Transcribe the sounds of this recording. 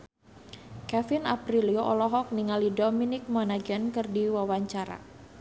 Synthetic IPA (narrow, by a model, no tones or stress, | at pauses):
kɛfɪnapɾilioʔɔlɔɦɔk̚niŋalidominɪk̚mɔnaɡɛnkɨrdiwawaɲt͡ʃaɾa̰